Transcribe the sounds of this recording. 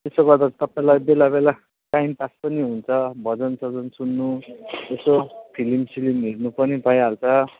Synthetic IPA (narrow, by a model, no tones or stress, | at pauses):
t̪esoɡʌrd̪at͡sʰĩ̥t̪ʌpaẽlajbelabela | kaimpaspʌniɦunt͡sʰʌbʱʌd͡zʌnsʌd͡zʌnsunːuesopʰilimsilimːiɽnupʌnibʱʌeɦalt͡sʰʌ